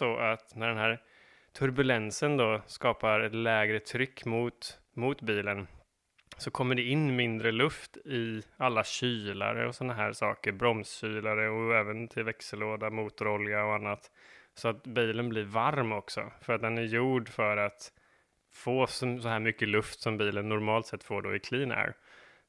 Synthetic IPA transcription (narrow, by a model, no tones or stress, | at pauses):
ɔʔat̪næɖɛnhæːɾ | t̪ʰɵɾbɵlɛnsənd̪ɔskɑːpaɾɛt̪lɛːɡɾət̪ʰɾʏkːmʊt̪ | mʊt̪biːlən | sɔkʰɔmːəɖɛɪnːmɪnd̪ɾəlɵft̪ɪalːaɕyːla̰ɾə̰ɔsɔnːaɦæ̰ːɾsɑ̰ːkəɾbɾɔmsɕyːlaɾəɔɛːvənt̪ʰɪlvɛksəloːd̪amuːt̪ʊɾɔljaɔanːat̪sɔat̪biːlənblɪɾvaɾmɔksɔ̰fœɾat̪̚d̪ɛnæɾjuːɖfœɾat̪ | foːssɔɦæːɾmʏkːəlɵft̪sɔmbiːlənːʊɾmɑːlt̪sɛt̪ːfoːɖo̰ːɪkʰliːnæ̰ɾ